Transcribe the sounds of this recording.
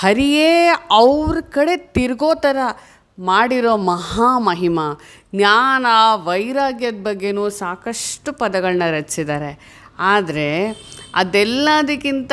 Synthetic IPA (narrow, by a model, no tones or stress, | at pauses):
hɐɾijeːɐʋɾkɐɽe̞t̪iɾɡoːt̪ɐɾɐ | maːɽiɾo̞ːmɐɦaːmɐɦimɐ | njaːnaʋɐjɾaːɡjɐd̪̚bɐɡːe̞nuːsaːkɐʂʈupɐd̪ɐɡɐɭnɐɾɐt͡ʃːsid̪aːɾe̞ | aːd̪ɐɾe̞ɐ̰d̪ɛlːɐd̪ɐkːint̪